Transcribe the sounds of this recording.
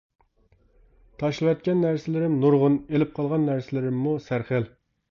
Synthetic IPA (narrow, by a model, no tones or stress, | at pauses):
t̪ʰɑʃlˠɨwɛt̪̚kʲɛnːæɾsɪlɪɾɪmnuɾʁʊnelɪp̚qʰɑlˠʁɑnːæɾsɪlɪɾɪmːusæɾχəl